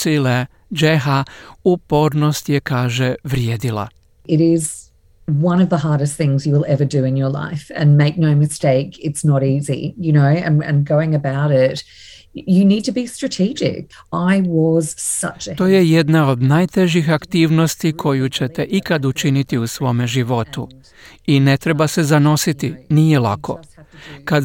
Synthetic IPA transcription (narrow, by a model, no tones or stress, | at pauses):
sile | d͡ʒeɦaupo̞ːɾno̞st̪jekaːʒeʋɾjeːd̪ila̰ | ɪɾɪz | wʌ̃ñʌvðəɦɑɹɾɨst̪̚θɪ̃ŋzjɨwɪlˠɛvə˞dɨɨ̃njə˞la̰ɪfɨ̰̃nmeɪk̚noʊmɨsteɪkɪtsnəɾizḭjɨnoʊɨ̰̃nɨ̰̃nɡoʊɪ̃ŋɨbaʊɾɪt | jɨnid̚tʰɨbistɹ̥ɨtʰid͡ʒɪ̰k | ʔaɪwʌz̥sʌ̰t͡ʃt̪o̞ːje̞je̞d̪nao̞d̪naːjt̪e̞ʒixakt̪iːʋnost̪ikʰo̞jut͡ɕet̪eʔikad̪ut͡ʃinit̪iusʋo̞ːme̞ʒiʋo̞t̪ṵ | ine̞t̪ɾebase̞zano̞sit̪inije̞lˠa̰kʰo̞̰ka